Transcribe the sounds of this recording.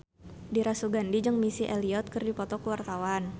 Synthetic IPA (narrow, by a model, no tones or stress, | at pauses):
diɾasuɡandid͡ʒəŋmisiʔeliɔt̪̚kərdipɔt̪ɔkəwart̪awan